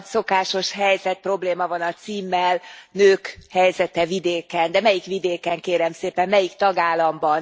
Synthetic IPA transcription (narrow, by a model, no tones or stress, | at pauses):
so̞kaːʃo̞ʃɦɛjzɛt̪̚pro̞bleːmɒvɒnɒt̪siːmːɛlnøːkhɛjzɛt̪ɛvid̪eːkɛnd̪ɛmɛjikʋid̪eːkɛŋkeːɾɛmseːpɛmːɛjikt̪ɒɡaːlːɒmbɒn